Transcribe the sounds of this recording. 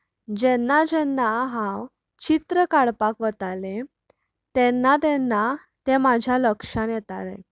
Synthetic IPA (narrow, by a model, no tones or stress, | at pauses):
d͡ʑɛnːad͡ʑɛnːaɦãw | t͡ɕit̪ɾəkaɽpakʋət̪ale | t̪ɛnːat̪ɛnːa | t̪emad͡ʑʱjaləkʂãnjɛt̪aɾḛ